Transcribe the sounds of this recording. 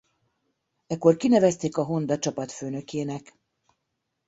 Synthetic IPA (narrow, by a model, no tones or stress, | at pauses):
ɛkːo̞rkinɛvɛst̪eːkɒɦo̞nd̪ɒt͡ʃɒpɒt̪føːnø̞keːnɛk